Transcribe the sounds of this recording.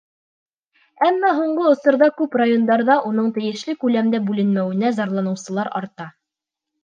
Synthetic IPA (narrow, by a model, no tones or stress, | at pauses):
æmːæɦuɴɢɤŏsɤ̆ɾðɑkʉprajo̞nd̪ɑɾðɑʔunɤɴt̪ɘ̆jɘ̆ʃlɘkʉlæmd̪æbʉlɘ̆nmæwɘ̆næzɑɾlˠɑnɤ̆wsɤ̆lˠɑɾɑ̰ɾt̪ɑ